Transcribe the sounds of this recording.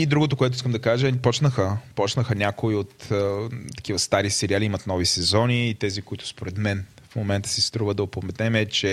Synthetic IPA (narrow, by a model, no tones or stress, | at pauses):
id̪ɾuɡot̪okoɛt̪ʊiskəmd̪ɐkaʒəpɔt͡ʃnəxəpɔt͡ʃnəxənʲakoiot̪ː | t̪ːɐ̥kivəst̪aɾisɛɾialiimɐt̪nɔvisɛzɔniːt̪ɛzikoit̪ʊ̥spoɾɛt̪mɛnfmomɛnt̪ə̥sist̪ɾuvəd̪ɐopomɛt̪ɛmɛt͡ʃɛ